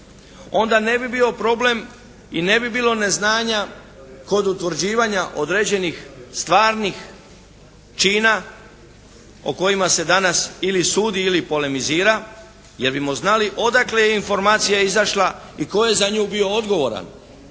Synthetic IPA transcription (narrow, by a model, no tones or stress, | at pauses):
o̞nd̪ane̞bibiːo̞pɾo̞ble̞m | ine̞bibiːlˠo̞ne̞znaːɲa | ko̞d̪ut̪ʋɾ̩d͡ʑiːʋaɲaʔo̞d̪ɾe̞d͡ʑe̞nixst̪ʋaːɾnix | t͡ʃiːna | o̰ko̞jimase̞d̪anasilisuːd̪iilipo̞le̞miziːɾa | je̞ɾbimo̞znaliʔo̞d̪aklejeinfo̞ɾmaːt̪sijaizaʃla | iko̞je̞zaɲuːbio̞od̪ɡo̞ʋo̞̰ɾa̰n